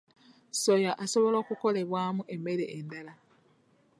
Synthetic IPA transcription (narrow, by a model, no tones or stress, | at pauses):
sojaʔaso̞βo̞lo̞ːkuko̞le̞βwaːmuʔe̞me̞ɾḛʔendala